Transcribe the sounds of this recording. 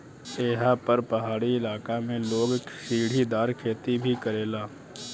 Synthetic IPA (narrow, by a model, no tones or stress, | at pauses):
eːɦapɐɾpɐɦaːɽiɪlaːkamẽloːɡʃiːɽ̤id̪aːɾkʰeːt̪ibʱikɐɾeːlaː